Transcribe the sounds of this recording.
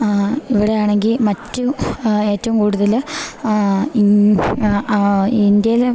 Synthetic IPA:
iʋiɽe̞jaːɳeŋɡilmɐtːume̞ːtːɐʋumkuːɽuðɐl | ind̪jɐl

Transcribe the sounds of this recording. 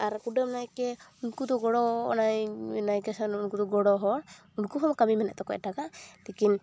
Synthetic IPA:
aɾkuɖɔmnajkɛunkud̪ɔɡɔɽɔnajnajkɛsɔnunkud̪ɔɡɔɽɔɦɔɽ | unkuɦɔmkamimɛnɛ̰ʔt̪ɔkɔɛʈakat̪ikin

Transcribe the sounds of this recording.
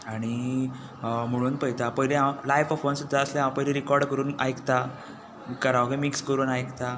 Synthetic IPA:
aɽ̃i | m̤əɽ̃uːnpəɦjt̪apəjleɦalajʋɔfonsud̪ʱːaəsljaɦããpəjleɾikɔɾɖkəɾuːna̰jkt̪a | kəɾaʋɡemikskəɾuːnajkt̪a

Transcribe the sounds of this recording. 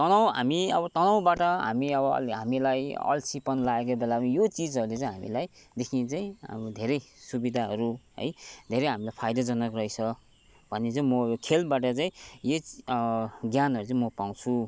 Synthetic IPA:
t̪ʌnaw̃ɦa̰miʌbʌt̪ʌnaw̃baʈʌɦa̰miʌbʌ̰lɦamilajʌ̰lsipʌnlaek̬obelaijot͡sid͡zɦʌɾulet͡sãĩɦamḭlajd̪ekʰinet͡saḭ̃d̪ʱeɾʌjsubid̪ʱaɦʌɾuɦʌ̰jd̪ʱeɾʌjɦamilajpʰajd̪ʌd͡zʌnʌkrʌit͡sʰʌ | bʱʌnːet͡saĩmʌjokʰelbaʈ̬ʌt͡saĩje | ɡjanɦʌɾut͡saĩmʌpaw̃t͡sʰũ

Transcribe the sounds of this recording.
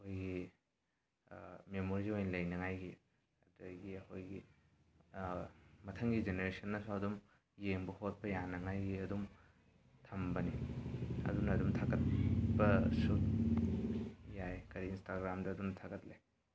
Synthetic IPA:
ɐkʰojɡi | memoɾiziojnlɐjnɐŋajɡi | dojɡiɐkʰojɡi | mɐtʰɐŋɡid͡ʒeneɾesɐnːɐsoɐdum | jeŋbuhot̚pɐjanɐŋajɡiɐdum | tʰɐmbɐniɐ̰dunɐːdumtʰaɡɐt̚bɐsut̚ | jajkɐɾiːnstaɡɾamdɐɐdunɐtʰaɡɐtlej

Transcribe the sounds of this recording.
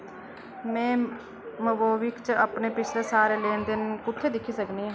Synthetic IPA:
mɛ̃ː | mʊboːʋɪkt͡ʃəpneːpɪt͡ʃʰleːsaːɾeːleːnd̪ɪnkʊt̪ʰːeːd̪ɪkʰːiːsəkniː

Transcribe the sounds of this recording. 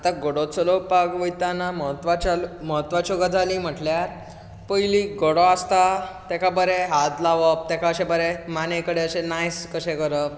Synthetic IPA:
at̪aɡoɽot͡səlopaɡʋəjt̪anaməɦət̪ːʋat͡ɕalməɦət̪ːʋat͡ɕoɡad͡zʱalim̤əʈljaɾ | pəjliɡoɽɔast̪at̪ɛkʰabəɾeɦat̪laʋəp̚t̪ɛkʰaəɕebəɾemanekəɽeəɕenajskəɕẽkəɾəp

